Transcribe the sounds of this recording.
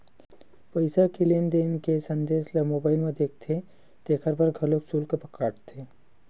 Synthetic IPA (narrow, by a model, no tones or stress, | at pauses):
pɐɪsakileːnd̪eːnkesɐ̃nd̪eːslɐmoːbaːɪlmẽd̪eːk̚ʰt̪ʰe | d̪̥eːkʰəɾbɐɾɡʱɐloksuːlkepɐkaːʈt̪ʰeː